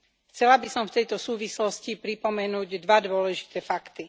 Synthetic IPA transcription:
xt͡sɛlabisɔmft̪ɛjt̪ɔsuːʋislɔscipɾipɔmɛnuːɟd̪ʋad̪ʊɔlɛʒi̥t̪ɛːfakt̪i

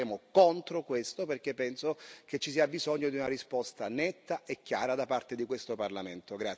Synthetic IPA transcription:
eːmokont̪ɾokwest̪operk̟epːɛnsoket͡ʃːisiːabizoɲːod̪iunarispɔst̪anɛt̪ːaʔekːjaːɾad̪apart̪ed̪ikwest̪oparlament̪oɡɾa

